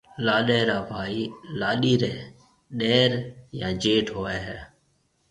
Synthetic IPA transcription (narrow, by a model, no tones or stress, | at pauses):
laːɗeːɾaːbʱaːiːlaːɗiːɾeː | ɗeːɾjãːd͡ʒeːʈɦoːeːɦɛː